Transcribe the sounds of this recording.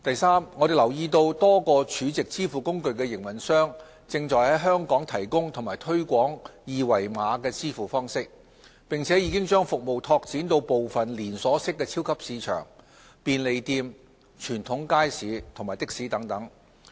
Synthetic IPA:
t̪ɐ˨˩jsaː˥mŋɔː˨˧d̪e˨˩jlɐ˨˩wjiː˧t̪o˧wt̪ɔː˥kɔː˧t͡ʃʰyː˨˧t͡sɪ˨k̚t͡siː˥fuː˨˩kʊ˥ŋkɵ˧ɥkɛː˧jɪ˨˩ŋmɐ˨˩nsœː˥ŋ | t͡sɪ˧ŋt͡ʃɔː˨jhɐ˨˥jɦœː˥ŋkɔː˨˥ŋt̪ʰɐ˨˩jkʊ˥ŋt̪ʰʊ˨˩maː˨˩jt̪ʰɵ˥ɥkʷɔː˨˥ŋjiː˨˧wɐ˨˩jmaː˨˧kɛː˧t͡siː˥fuː˨˩fɔː˥ŋsɪ˥k̚ | pɪ˨˩ŋt͡sʰɛː˨˥jiː˨˧kɪ˥ŋt͡ʃœː˥ŋfʊ˨k̚mo˨wt̪ʰɔː˧k̚t͡siː˨˥nt̪o˧wpo˨wfɐ˨nliː˨˩nsɔː˨˥sɪ˥kːɛː˧t͡sʰiː˥wkʰɐ˥p̚siː˨˧t͡ʃʰœ̰ː˨˩ŋ | piː˨˧nle˨˧jt̪iː˧m | t͡ʃʰyː˨˩nt̪ʰʊ˨˥ŋkaː˥jsiː˨˧˥t̪ʰʊ˨˩ŋmaː˨˩jt̪ɪ˥k̚siː˨˥t̪ɐ˨˥ŋt̪ɐ˨˥ŋ

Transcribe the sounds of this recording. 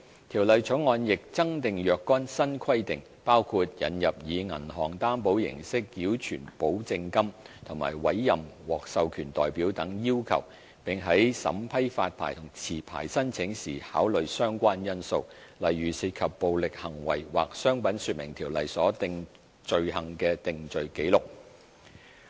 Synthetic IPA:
t̪ʰiː˨˩wlɐ˨˧jt͡ʃʰɵ˨˥ŋɔː˧njɪ˨k̚t͡sɐ˥ŋt̪ɪ˨ŋjœː˨kːɔː˥nsɐ˥nkʰɐ˥jt̪ɪ˨ŋ | paː˥wkʰu˧t̚jɐ̰˨˥njɐ˨p̚jiː˨˧ŋɐ̰˨˩nɦɔː˨˩ŋt̪aː˥npo˨˥wjɪ̰˨˩ŋsɪ˥k̚jiː˨˥wt͡ʃʰyː˨˩npo˨˥wt͡sɪ˧ŋkɐ˥mt̪ʰʊ˨˩ŋma̰ː˨˩jwɐ̰˨˥jːɐ˨mwɔː˨k̚sɐ˧wkʰyː˨˩nt̪ɔ̰ː˨jpiː˨˥wt̪ɐ˨˥ŋjiː˥wkʰɐ̰˨˩w | pɪ˨˩ŋɦɐ˨˥jsɐ̰˨˥mpʰɐ˥jfa̰ː˧t̚pʰaː˨˩jt̪ʰʊ˨˩ŋt͡sʰiː˨˩pʰa̰ː˨˩jsɐ˥nt͡sʰɪ˨˥ŋsiː˨˩haː˨˥wlɵ˨ɥsœː˥ŋkʷaː˥njɐ˥nso˧wlɐ˨jːyː˨siː˧t̚kʰɐ˨pːo˨˧wlɪ˨k̚hɐ˨˩ŋwɐ̰˨˩jwa̰ː˨k̚sœː˥ŋpɐ˨˥nsyː˧t̚mɪ˨˩ŋt̪ʰiː˨˩wlɐ̰˨jsɔː˨˥t̪ɪ˧ŋ | t͡ʃɵ˨ɥhɐ˨˩ŋkɛː˧t̪ɪ˨ŋt͡ʃɵ˨ɥke˨˥jlʊ˨k̚

